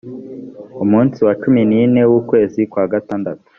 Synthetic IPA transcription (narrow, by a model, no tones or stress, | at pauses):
umuːnsiwat͡ʃuminine̞wukwe̞ːzikwaːɡataːndatu̥